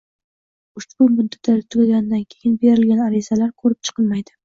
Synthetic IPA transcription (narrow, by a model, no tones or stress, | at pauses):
ʊʃbʊmʊd̪ad̪aɪt̪ʰʊɡʲalɡʲand̪ankʲʰejɪnbeɾɪlɡʲanaɾɪzalaɾqʰɵɾɪp̚t͡ʃʰɨ̥qʰɨlmajd̪ɪ